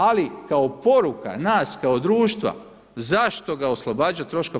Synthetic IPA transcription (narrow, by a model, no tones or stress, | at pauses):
alikaopo̞ɾuka̰naːskaod̪ɾuːʃt̪ʋa̰ | zaʃt̪o̞ɡaoslˠobaːd͡ʑat̪ɾo̞ʃka